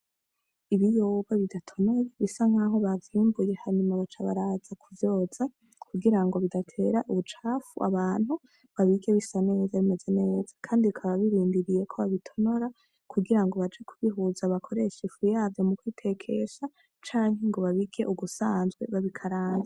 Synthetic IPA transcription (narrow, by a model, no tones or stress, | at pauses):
iβijo̞βaβidatʰo̞no̞jeβisaŋ̥aːɦo̞βaviːmbuje̞haɲumaβat͡ʃaβa̰ɾazakʰuvjo̞ːz̥a | kʰuɡiɾaŋɡo̞βidatʰe̞ɾaʔuβut͡ʃaːfṵʔa̰βaːn̥hu | βaβiɡe̞βisane̞ːzaβime̞ze̞ne̞ːz̥ḁkʰaːndiukʰaβaβiɾiːndiɾije̞kʰo̞βaβitʰo̞no̞ɾa | kʰuɡiɾaŋɡo̞βad͡ʒekʰuβiɦuzaβakʰo̞ɾe̞ʃefujaːvjo̞mukwiːtʰe̞kʰe̞sa | t͡ʃaːŋhɦeŋɡo̞βaβiɡe̞̰ʔuɡusaːnzɡwe̞̰βaβikʰaɾaːnza